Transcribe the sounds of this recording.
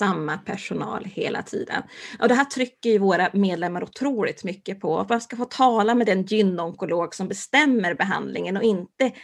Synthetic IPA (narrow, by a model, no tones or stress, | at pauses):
amːapʰæʂʊnɑ̰ːlhḛːlʔa̰t̪ʰḭːd̪ə̰nɔ̰d̪ɛɦæːʈʰɾʏkːəɾjɵvoːɾameːd̪lɛmːaɾʊt̪ʰɾuːlɪ̰t̪mʏkːəpʰɔ̰vanskafoːt̪ʰɑːlamɛd̪ɛnjʏnːɔŋkʊloːɡsɔmbɛst̪ɛmːəɾbɛɦa̰nd̪lɪŋənɔɪnt̪ə